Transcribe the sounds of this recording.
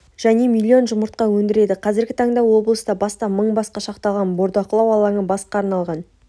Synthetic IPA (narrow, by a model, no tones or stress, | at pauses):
ʒ̥æne̞milʲːio̞nʒʊməɾt̪̚qɑwɵnd̪ɪɾe̞d̪ɪqʰɑzɪɾɡʲɪt̪ʰɑɴd̪ɑwo̞blˠəst̪ɑbɑst̪ɑməɴbɑsqɑʃɑqt̪ɑʁɑnbo̞ɾd̪ɑqʰəlˠɑwɑlˠɑɴəbɑsqɑːɾnɑlˠʁɑn